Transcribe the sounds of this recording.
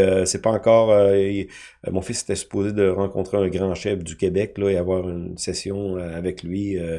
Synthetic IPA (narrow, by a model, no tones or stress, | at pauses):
øsɛpɑɑ̃kɔːʁø̰ | mɔ̃fɪse̥t̪ɛsy̥poːzed̪əʁɑ̃kɔ̃t̪ʁeɛ̃ɡʁɑ̃ʃɛfd̪ykʲebɛklɔeavwaːʁynsɛsjɔ̃øavɛklɥiø